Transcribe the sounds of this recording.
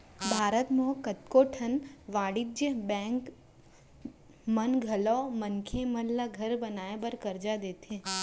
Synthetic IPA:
bʱaːɾət̪mõkət̪koːʈʰənʋaːɽid͡ʒəbɛ̃ːŋk | mənɡʱəlɔːmənkʰemənlaɡʱəɾbənaːebəɾkəɾd͡ʒad̪eːt̪ẽ

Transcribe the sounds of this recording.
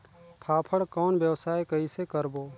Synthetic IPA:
pʰaːpʰəɽkɔːnbjəwsaːjkəisekəɾboː

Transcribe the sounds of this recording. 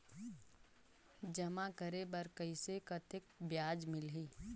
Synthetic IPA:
d͡ʒəmakəɾebəɾkəɪsekət̪ɪk̚bjaːd͡ʒmɪlɦiː

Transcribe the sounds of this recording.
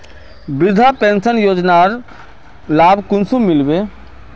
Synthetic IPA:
bɪd̪ʱapẽːnsənjoːd͡ʒnaɾ | laːbʱkʊnsumɪlbeː

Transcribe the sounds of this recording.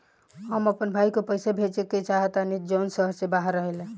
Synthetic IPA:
həməpənbʱaikepəjsebʱet͡ʃeket͡ʃaɦət̪anid͡ʒənsəɦəɾsebaɦəɾːəɦəle

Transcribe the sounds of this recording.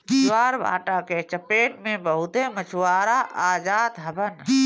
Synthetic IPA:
waːɾba̰ːʈaket͡ʃəpeːʈmẽbəɦʊt̪emət͡ʃʰwaːɾaʔaːd͡ʒaːd̪ɦəbən

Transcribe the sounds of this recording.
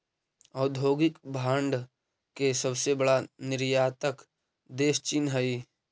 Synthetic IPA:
ɔːɾd̪ʱoːɡɪkbʱãːɳɖ | kesəbsebəɽanɪɾjaːt̪ək | d̪eːʃt͡ʃɪnɦəi

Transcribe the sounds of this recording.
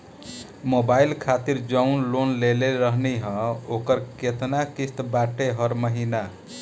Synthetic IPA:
mobailkʰat̪iɾd͡ʒʌwnlonleleɾʌɦneɦʌ̃okʌɾket̪nakist̪baʈeɦʌɾməɦina

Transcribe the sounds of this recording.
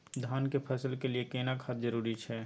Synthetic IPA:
d̪ʱaːnkepʰɛːsəlkeliekenakʰat̪d͡ʒəɾuːɾit͡ʃʰɛː

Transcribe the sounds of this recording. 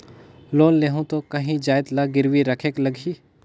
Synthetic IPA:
loːnleːɦũt̪okɐɦĩd͡ʒaːjd̪laɡɪɾwiɾəkʰeːklɐɡʱiː

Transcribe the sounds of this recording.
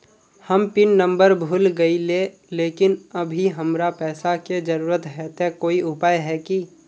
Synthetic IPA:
həmpɪnːə̃mbəɾbʱuːlɡəile | leːkɪnɐbʱiɦəmɾapɛːsaked͡ʒəɾuːɾət̪ɦɛːt̪ekoːiʊpaːjɦɛki

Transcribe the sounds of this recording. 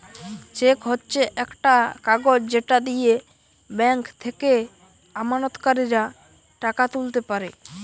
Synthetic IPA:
t͡ɕekɦotːɕʰeʔɛkʈakaɡod͡ʑd͡ʑeʈad̪ije | bɛŋkt̪ʰeke | amanot̪kaɾiɾa | ʈakat̪ult̪epaɾe

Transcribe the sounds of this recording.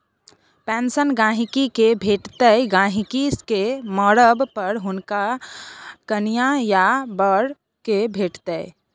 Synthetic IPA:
pɛ̃ːnsənɡãːɦikikebʱeːʈt̪əjɡãːɦikiskemɔːɾəbpəɾɦʊnka | kənijajabəɽ | kebʱeːʈt̪ə

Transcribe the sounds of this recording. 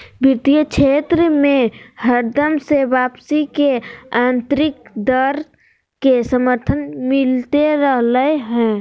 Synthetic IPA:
biɾt̪ijət͡ʃʰeːt̪ɾəmẽhəɾd̪əmsebaːpsikeãːnt̪ɾɪk̚d̪əɾ | kesəməɾt̪ʰənmɪlt̪eɾəɦləeɦɛ̃ː

